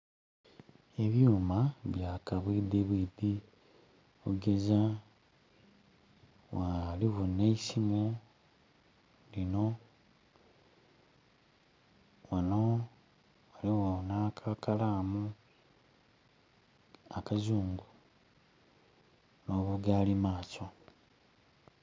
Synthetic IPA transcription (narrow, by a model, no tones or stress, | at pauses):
e̞βjuːmaβjaːkaβwiːdeβwiːdi | βuɡe̞za | waliɣoneisimu | lino̞ | wano | waliwonakʰakʰalaːmu | akazuːŋɡu | no̞ːβuɡalimaːso